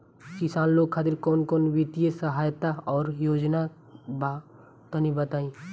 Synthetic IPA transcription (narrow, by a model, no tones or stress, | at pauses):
kisanloːɡ̚kʰːat̪iɾkɔːnkoːnʋit̪ijəsəɦajt̪aɔːɾjoːd͡ʒna | ba | t̪ənibət̪aːĩ